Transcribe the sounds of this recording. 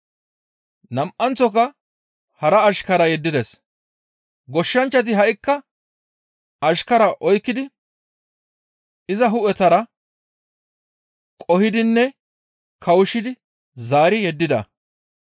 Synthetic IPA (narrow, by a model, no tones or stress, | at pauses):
nɐmʔɐnt͡sːɔkɐ | hɐɾɐːʃkɐɾɐjɛd̪ːɪd̪ɛs | ɡɔʃːɐnt͡ʃːɐt̪̬ɪɦɐʔɪkːɐ | ɐʃkɐɾɐʔɔjkːɪd̪ɪ | ɪzɐɦʊʔɛt̪ɐɾɐ | kʼɔhɪd̪ɪnːɛ | kʰɐwʊʃɪd̪ɪ | zaːɾɪjɛd̪ːɪd̪ɐ̰